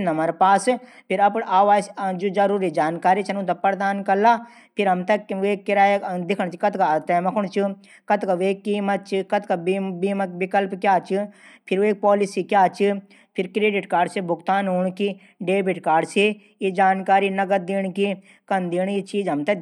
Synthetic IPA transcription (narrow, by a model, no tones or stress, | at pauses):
nɐmɐɾpaːs | pʰɪɾɐpaːʋaːsd͡ʒod͡ʒɐɾuːɾid͡ʒaːnkaːɾit͡ʃʰɐnũt̪̬ɐpɐɾd̪aːnkɐlaː | pʰɪɾɦɐmt̪ɐkʋeːkːɪɾaːjd̪ɪkʰəɳ̃t͡ʃʰikɐt̪kat̪aːjmɐkʰʊɽ̃t͡ʃʰi | kɐt̪kɐʋeːkːiːmɐt̪̚t͡ʃʰikɐt̪kɐbbiːmɐkbɪkəlpkjaːt͡ʃʰipʰɪɾeːk̚pɔːlisikjaːt͡ʃʰi | pʰɪɾkɾeːɖɪʈkaːɾɖsebʱʊkt̪aːnɦuːɳ̃ki | ɖeːbiʈkaːɾɖsi | jed͡ʒaːnkaːɾinɐɡət̪̚d̪iːɳki | kɐnd̪iːɳ̃jit͡ʃiːd͡ʒɦɐmt̪ɐ